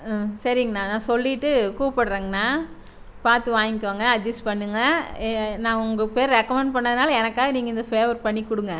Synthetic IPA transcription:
sɐɾɪŋɡɐnãːnãːsɔlːɪʈːɯkuːʋɐpːɐɽɯɾeːŋɡɐnaː | paːɾt̪ɯʋaːjɪkːʋaːŋɡɐːɐd͡ʒɐsʈpɐɳːɯŋɡɐ | nãːʊŋɡɐpeːɾɾɛkːɐmɛɳɖ̚pɐɳːɐðɯnaːlɐɛnɐkːaːɣɐniːŋɡɐɪnd̪ɐfeːʋɐɾpɐɳːikʊɽɯŋɡɐ

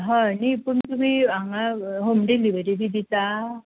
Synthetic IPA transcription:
ɦanipuɳt̪umiaŋaɦomɖeliʋəɾid̪id̪ʱit̪a

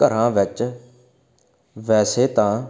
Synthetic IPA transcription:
əɾãːʋɪt͡ʃ | ʋɛːseːt̪ãː

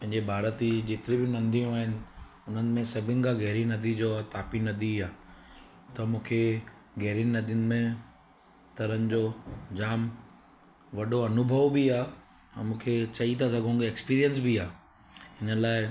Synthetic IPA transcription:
pɐ̃ɦɪ̃ɲd͡ʑebʱaːɾət̪id͡ʑeːt̪ɪɾibɪnɐ̃nd̪ʱijũaːɦɪnɪ̆ | ʊn̤ənɪ̆mẽsɐbʱɪnɪ̆kʰãɡɛɦɾinɐd̪id͡ʑoːt̪aːpinɐd̪ʱiaː | t̪ɐmũːkʰe | ɡɛɦɾinnɐd̪ʱiɪnɪ̆mẽ | t̪ɐɾənɪ̆d͡ʑoːd͡ʑaːm | ʋɐɗoɐnʊbʱəʋbiãː | mũːkʰet͡ɕɐit̪ʰasɐɡʱõːɡeːkspiːɾijənsbiaː | ɦɪnəlaːɪ

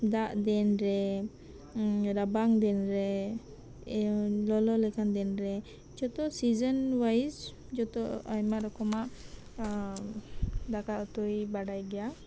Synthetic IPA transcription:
d̪aʔd̪ɛnɾɛ | ɾabaŋd̪ɛnɾɛ | lɔlɔlɛkand̪ɛnɾɛ | d͡ʒɔt̪ɔsid͡ʒənwajz | d͡ʒɔt̪ɔʔajmaʔɾɔkɔmaʔ | d̪akaʔɔt̪ɔjbaɽajɡɛja

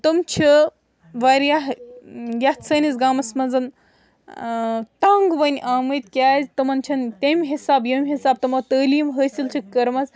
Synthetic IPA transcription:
t̪ɨmt͡ʃʰi | ʋaɾjaɦjɐt͡sʰɐːnʲizɡaːmɐsmɐnzɐn | t̪aŋɡʋɐnʲʔaːmɨjt̪ʲkʲaːzʲt̪ɐmɐnt͡ʃʰɐnt̪ʲemʲɦisaːbjɐmʲɦisaːb̚t̪ɐmɐt̪əːliːmɦəːsʲilt͡ʃʰikɐɾmɐz

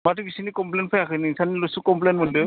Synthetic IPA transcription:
matibisinikɔmplenpʰajakʰɯniinsanilosukɔmplɛjnmɔnde

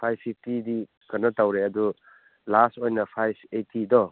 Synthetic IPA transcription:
pʰajb̚pʰip̚ʰtidi | kɐnːɔtawɾeɐdu | lastojnɐpʰajbetʰidɔ

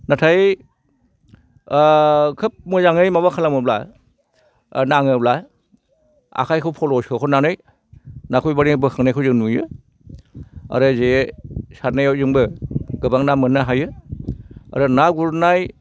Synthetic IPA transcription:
natʰaj | kʰɯp̚mɯzaŋɯjmaβakʰalamɯbla | naŋɯbla | a̰kʰajkʰɯwpʰɔlɔskʰɯkʰɔnanɯj | nakʰujbaɾibɯkʰaŋnajkʰɯwzɯŋnujɯ | a̰ɾɯzesaɾnajaw̚zɯŋbɯɡɯbaŋnamɯnːaɦajɯ | a̰ɾɯnaɡuɾnaj

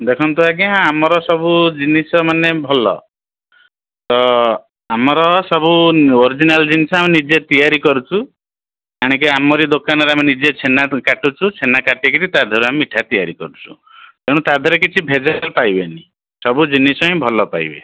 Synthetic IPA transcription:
d̪ekʰɔnt̪uak̬iɦãamɔɾɔsɔbud͡ʒinisɔmanebʱɔlɔ̰ | t̪ɔ | amɔɾɔsɔbuoɾid͡ʒinald͡ʒinisɔaminid͡ʒet̪ijaɾikɔɾut͡ʃʰu | aɽ̃ik̬eamɔɾid̪okanɔɾeaminid͡ʒet͡ʃʰenakaʈut͡ʃʰut͡ʃʰenakaʈikiɾit̪ad̪ʱɔɾuamiiʈʰat̪ijaɾikɔɾut͡ʃʰu̥̰ | t̪eɽ̃ũt̪ad̪ʱɔɾekit͡ʃʰibʱed͡ʒalpajbeni | sɔbud͡ʒinisɔɦĩbʱɔlɔpa̰jbḛ

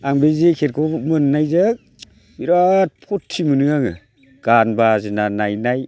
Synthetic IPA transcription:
aŋbezekʰeɾkʰɔmɯnnːajzɯk̚ | biɾat̚pʰɔtʰːimɯnɯaŋɯ | ɡ̥anbazinanajnaj

